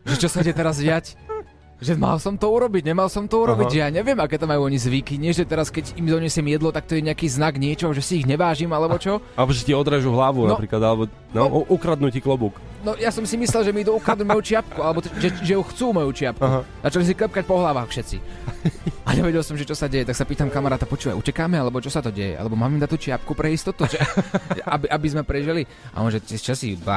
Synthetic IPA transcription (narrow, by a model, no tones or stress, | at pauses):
ʒɛt͡ʃɔsaidɛt̪ɛɾazɟɪac | ʒɛma̰lsɔmt̪ɔuɾɔbiɟɲɛmalsɔmt̪ɔuɾɔbijaːɲɛʋɪɛmakɛːt̪amajuɔɲizʋikiɲɪɛʒɛt̪ɛɾaskɛɟimd̪ɔɲɛsɪɛmjɛd̪lɔt̪ak̚t̪ɔjɛɲɛakiːznaɡɲɪɛt͡ʃɔɦɔʒɛsiːɣɲɛʋaːʒimalɛbɔt͡ʃɔalɛbɔʒɛtiɔd̪ɾɛʒuɦlaʋunɔpɾiːklad̪alɛbɔ | aʔukɾad̪nuciklɔbuk | nɔjasɔmsimislɛlˠʒɛmid̪uukɾad̪nuɟmɔjut͡ʃɪapkualɛbɔʒɛʒɛjuxt͡suːmɔjuːt͡ʃɪap̚kuɦzat͡ʃalis̬iklɛp̚kac̚pɔɦlaʋaːxfʃɛt͡sḭ | aɲɛʋɛɟɛlˠsɔmʒɛt͡ʃɔsaɟɛjɛt̪aksapiːt̪amkamaɾaːt̪apɔt͡ʃuːʋa̰jucɛkaːmɛalɛbɔt͡ʃɔsat̪ɔɟɛjɛ̰a̰lɛbɔmaːmimd̪at̪ut͡ʃɪap̚kupɾɛist̪ɔt̪uʒɛʔabiʔabizmɛpɾɛʒili | a̰ɔnʒɛt̪ɛt͡ʃasijud̪ba̰